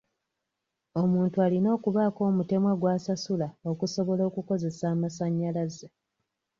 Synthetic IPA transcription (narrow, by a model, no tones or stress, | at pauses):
o̞muːntualino̞ːkuβaːko̞ːmute̞mwaɡwaːsasulao̞kuso̞βo̞lo̞ːkuko̞ze̞saːmasaɲːalaza